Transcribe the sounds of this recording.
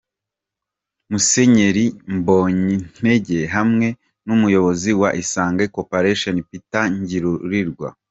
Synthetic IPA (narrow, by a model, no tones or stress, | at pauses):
muse̞ɲe̞ɾimboːɲin̥e̞ɟe̞ɦamŋe̞ | numujo̞βo̞ziwaʔisaːŋɡekopaɾeʃonpitaɲɟiɾuɾiɾɡwa̰